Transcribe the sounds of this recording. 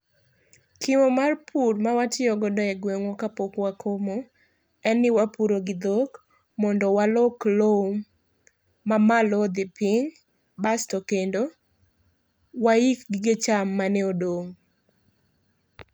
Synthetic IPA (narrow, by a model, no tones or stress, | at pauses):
kiwomarpʰuɾmawatɪɔɡɔdɔɛɡweŋwɔkapokwakʰomo | ɛnːɪwapuɾoɡɪd̪ok | mɔndɔwalɔkloumː | amalɔd̪ɪpɪŋ | bastɔkendo | waikɡɪɡet͡ʃamːanɛodoŋ